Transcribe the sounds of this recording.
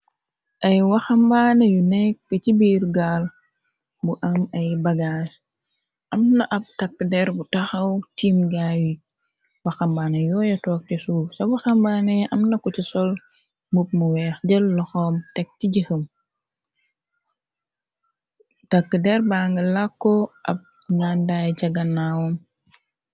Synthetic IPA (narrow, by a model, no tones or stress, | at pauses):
ʔɐjwɐxɐmbaːnɐjunɛkːəcibiːrɡaːl | buʔɐmɐjbɐɡaːs | ʔɐmnɐʔɐp̚tɐkːədɛɾbutɐxɐwtiːmɡaːju | wɐxɐmbaːnɐjɔːjɐtɔːk̚tisuːfsɐbɐxɐmbaːnɛɐmnɐkɔtisɔl | mup̚muwɛːxɟəlːɔxɔmtɛk̚tiɟəxəm | tɐkːədɛɾbaːŋɡəlakːɔʔɐ̰p̚ | ŋandajt͡ʃɐɡɐnawɔm